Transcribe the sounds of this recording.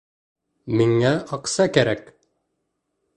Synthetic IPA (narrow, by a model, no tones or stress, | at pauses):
miŋːæʔɑqsɑkæɾæk